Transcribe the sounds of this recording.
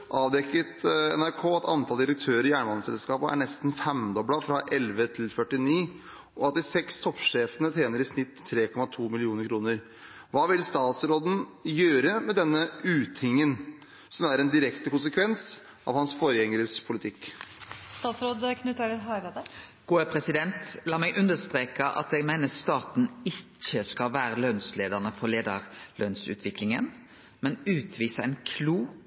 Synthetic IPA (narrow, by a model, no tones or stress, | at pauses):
ʔɑːʋd̪ɛkːət̪ɛ̰næɾkʰoːɑt̪ʰɑ̰nt̪ʰɑld̪ɪɾək̚t̪ʰøːɾəɾɪjæːɳəʋɑnəsɛ̰lskɑːpəʔæ̰ɳɛst̪n̩fɛmd̪ɔblɑfɾɑʔɛlʋət̪ʰɪlfœʈːɪniː | ɔɑt̪ːɪsɛkst̪ʰɔpːʂeːfənət̪ʰeːnəɾɪsnɪt̪ʰːɾeːkʰɔmɑt̪ʰuːmɪlɪuːnəɾkʰɾuːnəɾ | ʋɑːʋɪlst̪ɑːt̪sɾoːd̪n̩jøːɾəmɛd̪ɛnːəʉːt̪ʰɪŋːən | sɔmæɾɛnd̪ɪɾɛkt̪əkʊnsəkʰʋɛns | ʔɑ̰ʋhɑnsfoːɾəjɛŋəɾəspʰʊlɪt̪ʰɪkː | st̪ɑːt̪sɾoːd̪kʰnʉːt̪ʰeːɾəɾɦɑʋed̪ə | ɡ̥uːəpʰɾɛsɪd̪ɛnt̪lɑːmɛɡʔʉnd̪əst̪ɾeːkəʔɑ̰t̪ɛɡmæɪnəst̪ɑːt̪n̩ɪt͡ʃːəskɑlʋæːɾəløːnsleːd̪ɑʁnəfɔɾleːd̪ə̰ɾlønsʉ̰ːt̪ʰʋɪklɪŋən | mɛnʉːt̪ʰʋiːsəɛɪnkʰluː